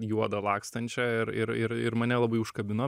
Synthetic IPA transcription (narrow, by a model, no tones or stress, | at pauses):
juɔd̪ɐlˠɑːkst̪ɐnʲt͡ʃʲɛɪɾɪɾɪɾɪɾmɐnʲɛlˠɐbɐɪʊʃkɐbʲɪno